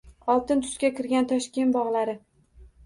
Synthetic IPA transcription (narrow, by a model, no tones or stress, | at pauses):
ɒlˠt̪ɪnt̪ʰʊ̥ʃkʲakʲʰɪɾɡʲant̪ʰɒʃkʲenbɒʁlˠaɾɪ